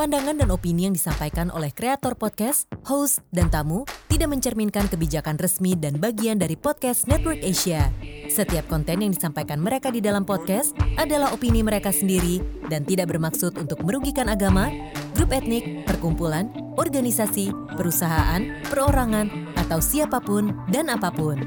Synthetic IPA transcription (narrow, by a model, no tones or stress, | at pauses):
pandaŋandanopinijaŋdisampajkanʔo̰lɛhkɾeat̪ɔrpɔt̪̚kɛshowsdant̪amut̪idaʔməɲt͡ʃərminkankəbid͡ʒakanrəsmidanbaɡiandaɾipɔt̪̚kɛsnɛt̪wərkeʃiasət̪iap̚kɔnt̪ɛnjaŋdisampajkanməɾekadidalampɔt̪̚kɛsʔadalahopiniməɾekasəndiɾidant̪idaʔbərmaksʊt̪unt̪ʊk̚məɾuɡikanaɡama | ɡɾupɛt̪̚nɪk̚pərkumpulan | ɔrɡanisasi | pəɾusaɦaʔanpəɾoɾaŋanʔat̪awsiapapʊndanapapʊn